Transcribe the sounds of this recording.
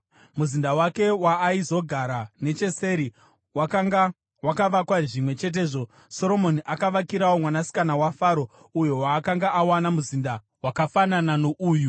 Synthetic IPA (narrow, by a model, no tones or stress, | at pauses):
muzindawake̞waːizo̞ɡʱaɾane̞t͡ʃe̞se̞ɾi | wakaʋakwaʐimwe̞t͡ʃe̞t̬e̞ːʐo̞ | so̞ɾo̞mo̞niʔakaʋakiɾawo̞mwanasi̥kanawafaɾo̞ | ujowaːkaŋɡaʔawanamuzinda | wakafananano̞ʔuːju